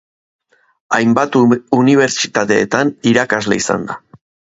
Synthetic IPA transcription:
ajmbat̪uniβ̞e̞ɾt͡ʃi̥t̪at̪e̞ːt̪aniɾakazle̞̰isa̰nd̪a̰

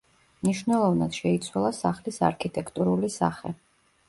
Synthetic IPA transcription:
mniʃvnɛlˠɔvnad̪̥ʃɛit̪sʰwalˠasaχlisa̰ɾkʰit̪ʼɛkʰt̪ʼuɾulisa̰χɛ

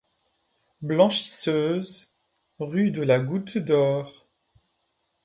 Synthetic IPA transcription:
blɑ̃ʃi̥søːz | ʁyd̪əlaɡut̪d̪ɔːʁ

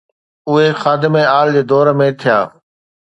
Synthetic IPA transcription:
ʊɦexaːd̪ɪmeaːld͡ʑeːd̪ɔːɾmẽt̪ʰija̰ː

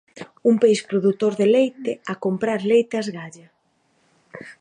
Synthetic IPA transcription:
umpejspɾoðut̪oɾðelejt̪ɪakompɾaɾlejt̪ɐzɣaʎɐ

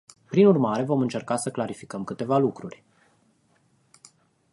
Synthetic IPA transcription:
pɾinurmaɾe̞vo̞mɨnt͡ʃe̞rkasəklaɾifi̥kəmkɨt̪e̞valukɾurʲ

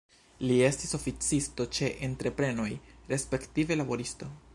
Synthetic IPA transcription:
lie̞stiso̞fit͡sisto̞t͡ʃe̞ʔentɾe̞pɾe̞no̞jɾe̞spe̞ktive̞labo̞ɾisto̞

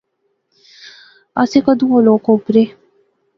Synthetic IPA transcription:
ɐsekəd̪ũoloːkoʊpɾe

